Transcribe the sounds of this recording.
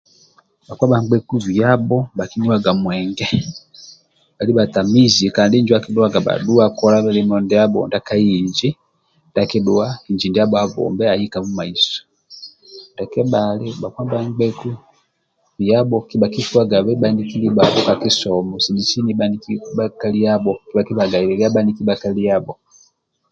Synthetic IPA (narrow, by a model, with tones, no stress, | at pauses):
ɓa˨kwa˦ba˨ŋɡ͡bɛ˦ku˦vi˨a˦bɔ˦ɓa˨ki˦ni˦wa˦ɡa˨mwɛ˨ŋɡɛ˦ | ɓa˨li˦ɓa˨ta˨mi˦zi˨ka˨ndi˦ɲd͡ʒiwa˦ki˦du˦a˦ɡa˨ɓa̰˨ɗu˦a˦kɔ˦la˦βa˦limɔ˨ndɛ˦a˦bɔ̰˨nda˨ka˦ji˨ɲd͡ʒi˦ | ndaki˦ɗu˦a˦i˨ɲd͡ʒi˨ndi˦a˦ɓɔa˦vɔ̰˨mbɛ˦a˨ji˦ka˨mu˦ma˨i˨sɔ̥ | ndakɛ˦ɓali˦ɓa˨kwa˦mba˦ŋɡ͡bɛ˦ku˦ | i˨jabɔkiba˨ki˦ʃuwa˦ɡa˨βɛ˦ɓa˨niki˦li˦babɔ˦ka˨ki˦sɔmɔsi˨ni˨si˦ni˦ɓanikiɓaka˦li˦jabɔki˦baki˦βa˨ɡa˨ilɛ˨ɡi˦a˦ɓa˦nikibakali˦jabɔ